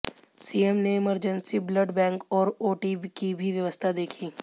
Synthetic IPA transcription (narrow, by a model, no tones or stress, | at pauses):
siemneɪməɾd͡ʒənsibləɖbɛ̃ːŋkɔːɾoːʈikibʱiʋjəʋəst̪ʰad̪eːkʰiː